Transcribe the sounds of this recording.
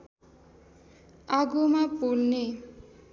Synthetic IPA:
aɡumapulne

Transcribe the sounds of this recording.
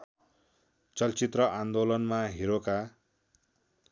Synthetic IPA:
t͡sʌlt͡sit̪rʌʔand̪olʌnmaɦiɾoka

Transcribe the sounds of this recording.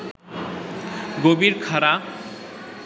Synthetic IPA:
ɡobiɾkʰaɾa

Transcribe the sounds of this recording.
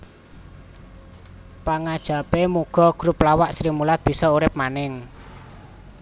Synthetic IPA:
paŋad̥ʒ̥a̤pemuɡ̥ɔ̤ɡ̥ɾuplawaʔsɾimulat̪̚b̥i̤sɔuɾɪp̚manɪŋ

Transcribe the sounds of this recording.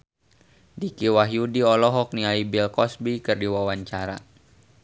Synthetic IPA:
dikiwaɦjudiɔlɔɦɔk̚niaibilkɔsbikɨrdiwawaɲt͡ʃaɾa̰

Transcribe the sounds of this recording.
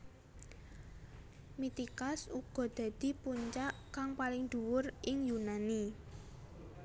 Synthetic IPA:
mit̪ikasuɡ̥ɔ̤d̪̥ä̤d̪̥i̤puɲt͡ʃaʔkaŋpalɪŋd̪̥ṳwʊrʔɪŋjunani

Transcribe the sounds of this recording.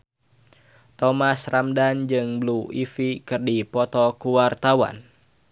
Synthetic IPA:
t̪ɔmasramdand͡ʒɨŋbluifikɨrdipɔt̪ɔkuwart̪awa̰n

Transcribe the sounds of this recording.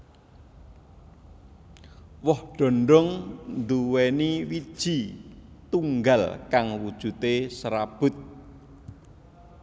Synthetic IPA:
wɔhɖ̥o̤nɖɔŋnd̪uweniwid̥ʒ̥i̤t̪uŋɡalkaŋwud̥ʒ̥ṳt̪esɾab̥ʊ̤t̪̚

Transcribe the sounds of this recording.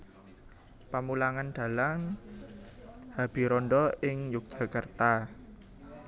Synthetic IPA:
pamulaŋand̪̥a̤laŋ | hab̥i̤ɾɔnɖɔɪŋjuk̚d͡ʒ̥a̤kərt̪a

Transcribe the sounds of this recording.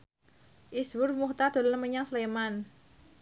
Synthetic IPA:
ʔiswʊrmuht̪ad̪̥o̤lənməɲaŋsəleman

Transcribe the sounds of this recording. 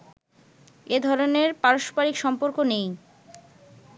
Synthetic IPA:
ed̪ʱɔɾoneɾpaɾoʃpaɾikʃɔmpoɾkonej

